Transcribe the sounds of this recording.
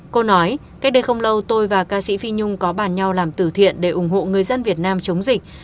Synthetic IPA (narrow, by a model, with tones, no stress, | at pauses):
ko˧nɔ˨˦jka˦˥k̟̚ɗə˧jxə˧wŋ͡mlə˧wt̪o˧jvaː˨˩kaː˧sḭ˧˥fi˧ɲʊ˧ŋ͡mkɔ˨˦ɓaː˧˩nɲa˧wlaː˨˩mt̪ɨ˧˩t̪ʰḭ˧˨ənɗe˧˩ʔʊ˧˩ŋ͡mɦo̰˧˨ŋɨ˨˩əjzə˧nvi˨˩ət̚naː˧mt͡ɕə˨˦wŋ͡mzï˨˩k̟̚